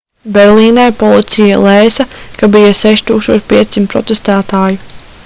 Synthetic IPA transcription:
bɛɾlˠiːnajpɔlˠit̪sija̰lˠɛːsɐkabijaseʃt̪uːkst̪uɔːt͡ʃpʲiɛsimt̪pːɾɔ̰t̪est̪æːt̪aːji

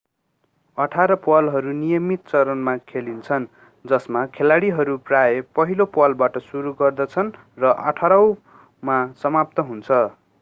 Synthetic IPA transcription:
ʌʈʰaɾʌpwʌlɦʌɾunijʌmit̪̚t͡sʌɾʌnmakʰelint͡sʰʌn | d͡zʌsmakʰelaɽiɦʌɾupraepʌɦilopwʌlbaʈʌsuɾuɡʌrd̪ʌt͡sʰʌn | rʌʔʌ̰ʈʰaɾʌw̃ | masʌmap̚t̪ʌɦunt͡sʰʌ

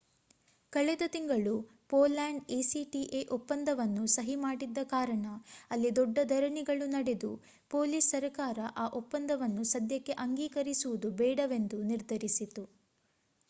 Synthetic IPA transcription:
kɐɭɛd̪ɐt̪iŋɡɐɭu | poːlaːɳɖeːsiʈiʔeːʔopːɐnd̪ʱɐʋɐnːusɐɦimaːɽid̪ːɐkaːɾɐɳɐɐlːid̪ɔɖːɐd̪ʱɐɾɐɳiɡɐɭunɐɽed̪u | poːliːsːɐɾɐkaːɾɐʔaːʔopːɐnd̪ɐʋɐnːusɐd̪jɐkːe̞ʔɐŋɡiːkɐɾisuʋud̪ubɛːɽɐʋe̞nd̪uniɾd̪ʱɐɾisit̪u

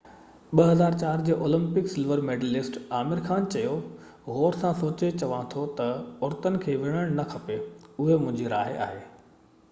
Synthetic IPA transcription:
ɓɐɦɐzaːɾt͡ɕaːɾd͡ʑeːʔoːlə̃mpɪksɪlʋəɾmeːɖəlɪsʈaːmɪɾxaːnt͡ɕɐjo | ɦoːɾsãsoːt͡ɕet͡ɕɐʋãt̪ʰot̪ɐʊɾt̪ənɪ̆kʰeːʋɪɽ̃əɽ̃nɐkʰɐpeʊɦemʊ̃ɦɪ̃ɲd͡ʑiɾa̰ːɦɪa̰ːɦeː

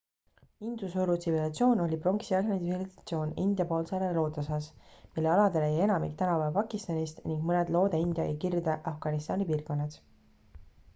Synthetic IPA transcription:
ind̪̥usuɾut̪sivilɑt̪sʲio̞ːno̞lʲipro̞ŋksiɑɑniiviliɑt̪sio̞ːnḭnd̪̥jɑpo̞ːlseɑɾelo̞ːt̪osɑsmilːe̞ɑlɑd̪e̞leje̞nɑmikt̪ænɑvɑpɑkˑist̪ɑnʲist̪niŋɡ̥mɤned̪̥lo̞ːd̪eind̪jɑḛkird̪eʔɑfɡ̥ɑnist̪ɑːnipiːrɡo̞nːɑd̪̥

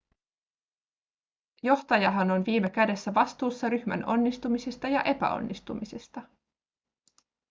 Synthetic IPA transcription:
jo̞ht̪ɑjɑɦɑno̞nʋiːme̞k̟æde̞sːæʋɑst̪uːsːɑɾyçmæ̰no̞nːist̪umisest̪ɑjɑʔe̞pæ̰o̰nːist̪umise̞st̪ɑ

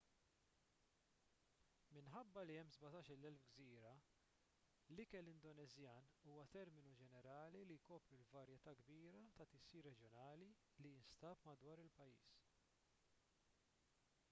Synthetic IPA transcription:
mɪnħɐbːɐliɛmːzbɐt̪ɐːʃɪlːɛlfɡziːɾɐ | lɪkɛlɪnd̪ɔnɛzjɐːnuːwɐt̪ɛɾmɪnud͡ʒɛnɛɾɐːlilijkɔːpɾulvɐɾjɛt̪ɐːɡbiːɾɐt̪ɐt̪ɪsiːɾːɛd͡ʒjɔnɐːli | liɪnst̪ɐːpmɐd̪wɐːɾɪlpɐjːḭːs

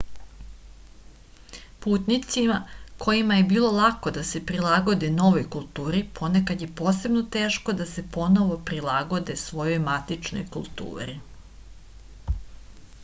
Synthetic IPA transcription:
puːt̪nit̪simakʰo̞jimajebiːlo̞lˠako̞d̪ase̞pɾilˠaɡo̞d̪eno̞ʋo̞jkulˠt̪uːɾipʰo̞ne̞kad̪je̞po̞ːse̞bno̞t̪e̞ːʃko̞d̪ase̞po̞no̞ʋo̞pɾilˠaɡo̞d̪esʋo̞jo̞jmat̪it͡ʃno̞̰jkṵlˠt̪ṵːɾḭ

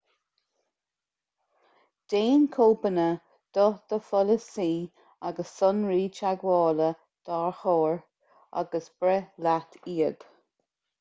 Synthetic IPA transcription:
d̪̥eːnkʰoːbənə | d̪̥ɔð̥əfɔləsiː | aɡəsːʊnɹiːt͡ʃaɡwɔːlə | d̪̥aɹxɔːɹ | a̰ɡəsb̥ɾɛlat̪ʰiːəɡ̥

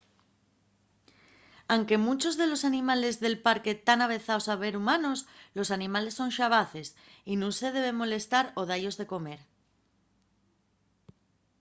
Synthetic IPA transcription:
awŋke̞mut͡ʃo̞zðe̞lo̞sanĩmale̞zðe̞lpaɾke̞t̪anaβ̞e̞θaosaβ̞e̞ɾumano̞slo̞sanĩmale̞sːo̞nʃaβaθe̞s | inũnse̞ðe̞β̞e̞mo̞le̞st̪aɾo̞ð̞aʎo̞zðe̞ko̞me̞ɾ

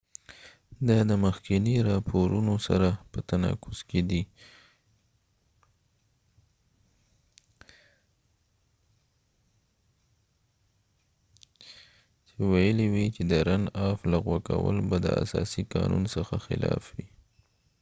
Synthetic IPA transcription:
d̪ɑd̪əməxkɪniɾɑpʰoɾunosaɾapət̪anɑ̰kʊz̥ked̪i | t͡ʃewajəliwit͡ʃed̪əɾanɑflaɣwakawə̰lbad̪ə̰a̰sɑsikɑnunsəxaxɪ̰lɑfwi

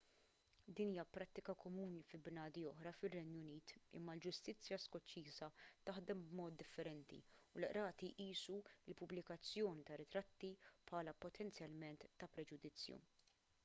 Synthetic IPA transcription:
d̪iːniːjɐpɾɐt̪ːɪkɐkɔmuːnifɪlbnɐːd̪iɔħɾɐfɪrːɛnjʊniːt̪ɪ̰mːɐld͡ʒʊst̪ɪt͡sːjɐskɔt͡ʃːiːzɐt̪ɐħd̪ɛmbmɔːt̪̚d̪ɪfːɛɾɛnt̪ḭʊlʔɾɐːt̪iʔiːsuɪlpʊblɪkɐt͡sːjɔːnit̪ɐɾɪt̪ɾɐt̪ːipħɐːlɐpɔt̪ʰɛnt͡sjɐlmɛnt̪ːɐpɾɛd͡ʒʊd̪ɪt͡sːjṵ

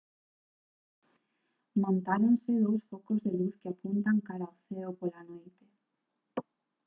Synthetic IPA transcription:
mõnt̪aɾonsɪðowsfokozðeluθkɪapunt̪aŋkaɾaoθeopolanojt̪e̥

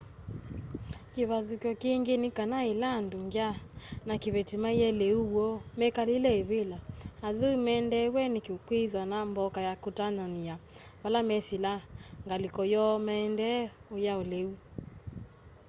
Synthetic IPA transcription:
kiβaðukjɔkiŋɡenikanailanduŋɡjanakiβɛtimaijɛleuwɔmɛkalilɛeβelaaðuimɛndɛwɛnikikwiðwanambɔkajakutanɔniaβalamɛsilaŋɡalikɔjɔmɛndɛojaoleu

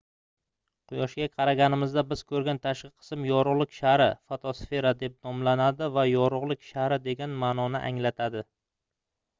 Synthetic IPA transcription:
qʰʊjɒʃɡʲaqʰɑɾaɡʲanɪmɪzd̪abɪz̥kʰɵɾɡʲant̪ʰaʃqɨqʰɨ̥smjɒɾʊʁlˠɪkʲʃaɾɪfot̪ʰosfe̞ɾad̪e̞p̚nɒmlanad̪ɪvajɒɾʊʁlˠɪkʲʃaɾɪd̪e̞ɡʲanmaːnɒnɪʔa̰ŋlat̪ʰad̪ɪ

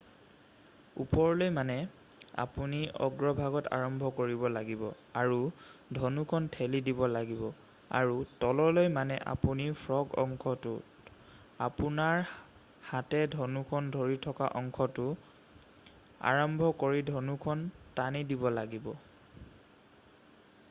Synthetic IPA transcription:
ṵpɔɹlojmanɛ | a̰puniɔ̰ɡɹɔbʱaɡɔta̰ɹɔmbʱɔkoɹibɔlaɡibɔ | aɹudʱɔnukʰɔntʰɛlidibɔlaɡibɔ | a̰ɹutɔlɔlojmanɛʔa̰punipʰɹɔɡɔ̰ŋkʰɔtʊ | a̰punaɹ | hatɛdʱɔnukʰɔndʱoɹitʰɔkaʔɔŋkʰɔtʊ | a̰ɹɔmbʱɔkoɹidʱɔnukʰɔntanidibɔlaɡibɔ

